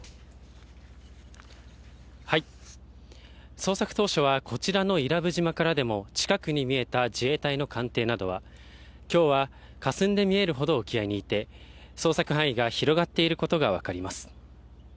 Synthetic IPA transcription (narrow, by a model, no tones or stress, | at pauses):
hai | so̞ːsakɯ̟̥t̪o̞ːɕo̞β̞akʰo̞t͡ɕiɾano̞iɾabɯ̟ʑimakaɾad̪e̞mo̞t͡ɕi̥kakɯ̟ɲ̟imʲie̞t̪ad͡ʑie̞ːt̪aino̞kʰãnt̪e̞ːnad̪o̞β̞a | kʲo̞ːβa | kasɨ̃nd̪e̞mʲie̞ɾɯ̟ɦo̞d̪o̞ːkʲiaiɲ̟iːt̪e̞so̞ːsakɯ̟ɦãɰ̃iɡaçiɾo̞ɡat̪ːe̞iɾɯ̟ko̞t̪o̞ɡaβ̞a̰kaɾʲimasɨ̥